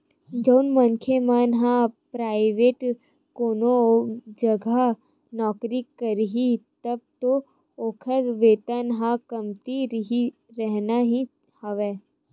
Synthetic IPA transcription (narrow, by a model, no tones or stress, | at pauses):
d͡ʒəːnmɐ̃ŋkʰemaːnɦãpɾaːɪʋeːʈ | koːnod͡ʒɐɡʱa | nɔːkɾikːəɾɦit̪ɐb̚t̪o | oːkʰəɾʋeːt̪ənɦãkɐmt̪iɾɦi | ɾɛɦnaɦĩ | hɐʋeː